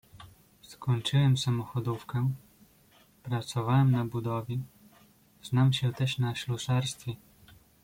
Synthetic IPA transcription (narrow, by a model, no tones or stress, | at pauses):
skɔɲt͡ʂɘwɛmsamɔxɔd̪ufkɛ | pɾat̪sɔvawɛmnabud̪ɔvʲji | znamɕɛt̪ɛʂnaɕluʂaɾst̪fʲɛ